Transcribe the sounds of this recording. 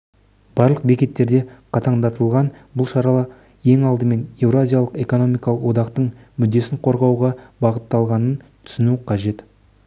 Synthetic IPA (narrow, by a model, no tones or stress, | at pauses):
b̥ɑɾlˠəq̚be̞kʲe̞t̪ːe̞ɾd̪e̞qʰɑt̪ɑɴd̪ɑt̪əlˠʁɑnbʊlˠʃɑɾɑlˠɑ | je̞ŋɑlˠd̪əme̞ne̞vɾazʲijalˠəqe̞ko̞no̞mijkɑlˠəqwo̞d̪ɑqt̪əɴmʏd̪ːe̞sɪɴqʰo̞ɾʁɑwʁɑbɑʁət̪ːɑlˠʁɑnənt̪ʰʏ̥sɪnuqʰɑʒe̞t̪